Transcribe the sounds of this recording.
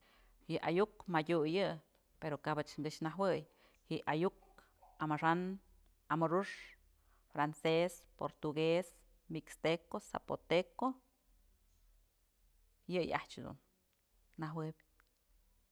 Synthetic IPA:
hjɨʔajukmadʲujɨ | peɾokabɨt͡ʃŋɡɨʃnaɦwɨj | hiʔʔajuk | amaʂan | amuɾuʂ | fɾansespo̰ɾt̪uɡes | mikst̪ekosa̰pot̪eko | jɨja̰ht͡ʃhed̪ṵnː | aɦwɨbʲ

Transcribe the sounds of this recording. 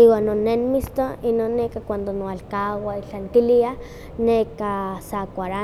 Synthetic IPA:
iwanːonːenmist̪oinoːnːekakʷand̪onoalkawait͡ɬaŋk̪ilia | nekasakʷaɾa

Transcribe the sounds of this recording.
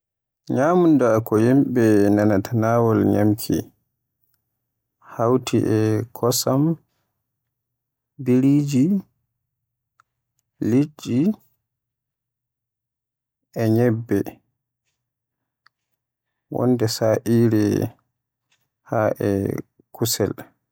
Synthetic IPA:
ɲaːmundakɔjimɓɛnanatʰanaːwɔlɲamkʰḭ | hawtʰiʔɛkʰɔsam | biɾiːd͡ʒi | lid͡ʒi | ɛɲɛbːɛ | wɔ̰ndɛsaʔiːɾɛ | haʔɛ̰ | kusɛ̰l

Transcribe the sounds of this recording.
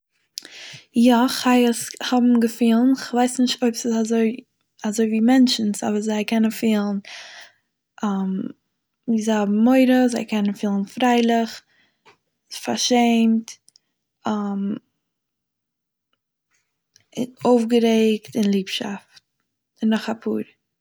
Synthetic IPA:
jaχaɪəshɔbm̩ɡəfiːlˠnɪχvaɪsnɪʃtoɪpsɪazoɪ | azoɪviːmɛnt͡ʃn̩sa̰bəɾzaɪkɛnənfiːlˠn̩ | ʔam | viːzaɪɪhɔbm̩ːoɪɾəzaɪkʰɛnənfiːlˠən̩fɾaɪlˠɪχ | fa̰ɾʃeɪmt | am | ɪoʊfɡəɾeɪktɪnlˠiːpʃa̰ft̚ | ɪnːɔχapʰṵːɾ

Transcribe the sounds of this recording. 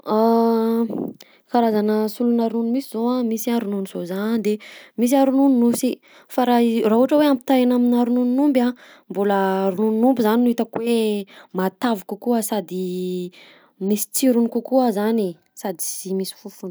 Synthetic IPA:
a | kaɾazanəsulunaɾununimisizoamisiaɾununiz̥ozand̪emis̬iaɾununinusi | faɾaraɦuaʈ͡ʂəweamit̪aanaminaɾununinumba | mbuləɾununinumbizaninuit̪əkweemat̪avukukuəsad̪i | misi̥t͡siɾunikukuəzani | sad̪i̥simisi̥fufun

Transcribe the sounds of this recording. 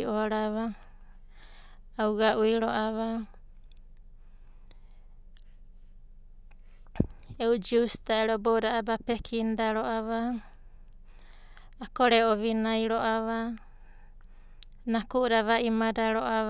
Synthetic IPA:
oɾaβa | wɡaʔujɾoʔaβa | eud͡ʒustaeɾobowdaabape̞kʰindaɾoʔaβa | koɾeoβinajɾoʔaβa | nakuʔdaβaʔimadaɾoʔaβ

